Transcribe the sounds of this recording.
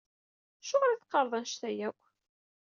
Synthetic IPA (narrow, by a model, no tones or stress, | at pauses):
æʃʊʁɾiθqːɑɾˤðˤænʃt̪æjæw